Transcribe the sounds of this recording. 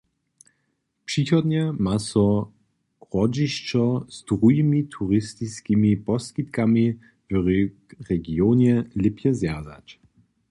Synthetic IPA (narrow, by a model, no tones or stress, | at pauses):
pʂixɔd̪ɲɛmasɔ | ʁɔd͡ʒiʃt͡ʃɔz̥d̪̥ʁujimit̪ʰuʁɪst̪iskimipɔskit̪kami | vʁ | ʁɛɡionɛlɪpʰjɛzjaza̰t͡ʃ